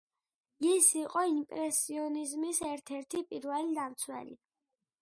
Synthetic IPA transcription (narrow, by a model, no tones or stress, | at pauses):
isiqʼɔimpʼɾɛsiɔnizmisɛɾt̪ʰɛɾt̪ʰipʼiɾvɛlid̪amt̪sʰwɛ̰lḭ